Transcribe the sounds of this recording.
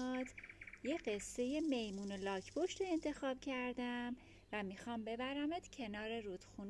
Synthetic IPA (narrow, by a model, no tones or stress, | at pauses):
d̪je̞ɢe̞sːe̞je̞me̞jmuːnolɒːcʰpʰoʃt̪ʰoe̞nt̪ʰe̞xɒːb̥cʰæɾd̪æm | væmixɒmbe̞bæɾæmed̪̥cʰe̞nɒːɾeɾuːd̪̥xun